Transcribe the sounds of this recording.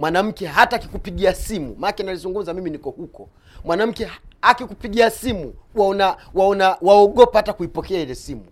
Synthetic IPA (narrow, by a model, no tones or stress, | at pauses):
mwanam̩kɛɦatakikupiɠiasimṵmakɛnalizuŋɡum̩zamiminikɔhukɔ | mwanam̩kɛakikupiɠiasimuwanawaɔnawaɔɠɔpahatakuipɔkɛailɛsimu